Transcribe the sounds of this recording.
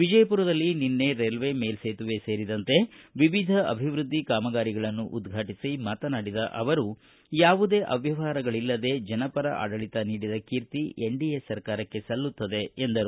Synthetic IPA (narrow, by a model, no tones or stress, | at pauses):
ʋid͡ʒɐjɐpuːɾɐd̪ɐlːininːe̞ɾeːlʋe̞ːme̞ːlseːt̪uʋe̞seːɾid̪ɐnt̪e̞ʋiʋid̪ʱɐɐ̰bʱiʋɾud̪ʱːikaːmɐɡaːɾiɡɐɭɐnːuʔud̪ɡʱaːʈisimaːt̪ɐnaːɽid̪ɐ̰ʔɐʋɐɾu | jaːʋud̪e̞ːʔɐʋjɐʋaːɾɐɡɐɭilːɐd̪e̞ːd͡ʒɐnɐpɐɾɐʔa̰ːɖɐɭit̪ɐniːɽid̪ɐkiːɾt̪ieɳɖijesɐɾkaːɾɐkːe̞sɐlːut̪ːɐd̪e̞ːnd̪ɐɾu